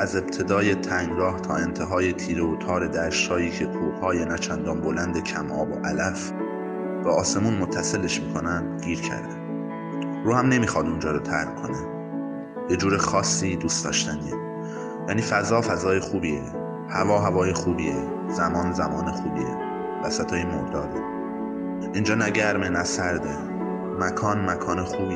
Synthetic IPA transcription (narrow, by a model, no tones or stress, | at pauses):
ʔæze̞b̚t̪ʰe̞d̪ɒːje̞t̪ʰæŋɡɾɒːht̪ʰɒ̰ːe̞nt̪ʰe̞ɦɒːje̞t̪ʰiːɾeot̪ʰɒːɾe̞d̪æɾʃt̪hɒːiːcʰe̞k̪ʰuːhɒːjenæt͡ʃʰænd̪ɒːnbo̞lænd̪e̞cʰæmʔɒːboʔælæf | bæɒːse̞muːnmot̪ʰːæse̞leʃmiːkʰo̞nænd̪ɡiːɾcʰæ̰ɾd̪æn | ɾuːhæmne̞miːxɒːd̪und͡ʒɒːɾot̪ʰæ̰ɾɡkʰo̞ne | b̥ed͡ʒuːɾexɒːsːiːd̪uːst̪ɒ̰ːʃt̪ænd̪i | jæːniːfæzɒːfæzɒːjexuːbiːḛ | hævɒːɦævɒːjexuːbiːe | z̥æmɒːnzæmɒːnexuːbiːe | væsæt̪ʰɒːjemoɾd̪ɒːd̪e | ʔind͡ʒɒːnæɟæɾmenæsæɾd̪e | mækʰɒːnmækʰɒːnexuːbi